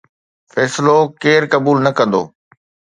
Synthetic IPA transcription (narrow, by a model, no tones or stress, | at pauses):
fɛːsɪlokeːɾkɐbuːlnɐkɐ̃nd̪o̰ː